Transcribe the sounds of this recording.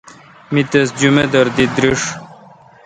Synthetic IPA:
mit̪esd͡ʑumed̪ɐɾd̪id̪ɾiʂ

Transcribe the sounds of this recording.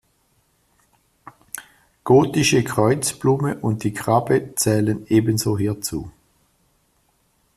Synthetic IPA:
ɡ̥oːtɪʃəkʰʁ̥ɔʏt͡sb̥luːməʔʊnt̚d̥iːkʁabət͡sɛːləneːbənzoːɦiːɐt͡sṵː

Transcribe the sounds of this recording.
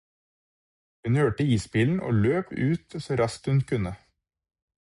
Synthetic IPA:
hʉnhøːʈəiːsbiːln̩ʔo̰ːløːpʰʉːt̪soːɾɑst̪hʉnkʰʉnə

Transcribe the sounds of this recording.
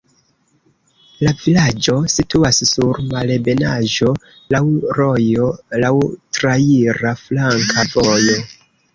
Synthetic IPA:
lavilad͡ʒo̞situassuɾmalebe̞naʒo̞ | lawɾo̞jo̞lawtɾaiɾaflaŋkʰavo̞jo̞

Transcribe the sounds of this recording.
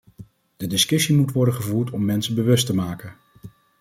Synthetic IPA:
d̥ədɪskɵsimutʋɔɹdəχəvuːɹtɔmːɛnsəbəʋɵstəmaːkən

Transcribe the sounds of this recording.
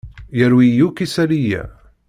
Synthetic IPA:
jæɾwijukisæɾijæ̰

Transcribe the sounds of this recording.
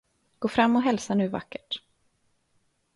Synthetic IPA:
ɡ̥oːfɾamːɔɦɛlsanʉ̟ːva̰kːəʈ

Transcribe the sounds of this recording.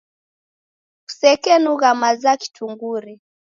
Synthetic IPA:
ku̥sɛkɛnuɣamazaki̥tʰuŋɡuɾi

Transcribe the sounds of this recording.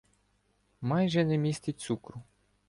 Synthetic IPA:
mɑjʒɛnɛmʲisʲt̪ʲit̪ʲsukɾʊ

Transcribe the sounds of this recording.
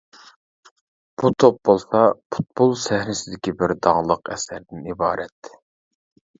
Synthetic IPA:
b̥ut̪ʰop̚bolˠsɑpʰu̥t̪̚bolˠsæhɾɪsɪd̪ɪkʲibɪɾd̪ɑŋlˠəqɛ̰sæɾd̪ɪnibɑːɾʔɛt̪ʰ

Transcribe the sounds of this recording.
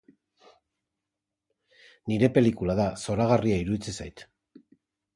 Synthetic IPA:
niɾe̞pe̞likulað̞aso̞ɾaɣariaiɾuðit͡sesajt̪

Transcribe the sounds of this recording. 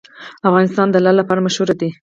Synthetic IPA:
afɣɑnɪst̪ɑnd̪əlalapɑɾamaʃhuɾad̪i

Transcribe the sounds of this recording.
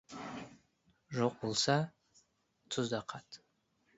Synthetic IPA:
ʐɨqʷʼʊlsa | tʰuzdaqʰatʰʼ

